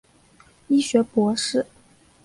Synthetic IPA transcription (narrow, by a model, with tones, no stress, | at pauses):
i˥ɕɥɛ˧˥pwɔ˧˥ʂɻ̩˥˩